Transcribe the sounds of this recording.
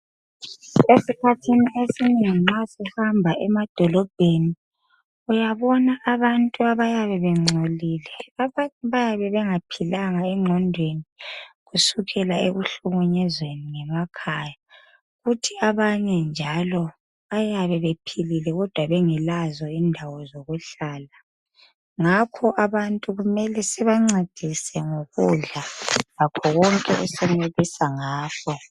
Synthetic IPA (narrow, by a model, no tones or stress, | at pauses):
esikʰatʰiniesiniŋiŋ͡ǀasihambʱaʔɛmad̥ʱɔlɔb̥ʱeni | ujaβɔnaʔːβantʼuaβajaβɛβɛŋ͡ǀʱoliːlɛaβajaβɛβɛŋapʰilaŋaɛŋ͡ǁʱɔndʱweniɣusuɣʰɛlaeɣuɬuɣuɲɛzweniŋɛmakʰaːja | ɣutʰiaβaɲɛnd͡ʒʱalɔ | ajaβɛβepʰililɛɣɔd̥ʱwaβeŋɛlazɔindʱawɔzoɣuɬaːla | ŋakʰɔʔaβantʼuɣumɛlɛsɛβaŋ͡ǀed̥ʱisɛŋoɣuɮalakʰɔɣɔŋkʼɛʔṵsɛmeβisaŋaːkʰɔ